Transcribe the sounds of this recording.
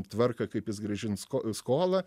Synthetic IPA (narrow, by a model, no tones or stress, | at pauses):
t̪ʋɐrkɐkɐɪpjɪsɡɾɐʒʲɪnskoskoːlˠɐ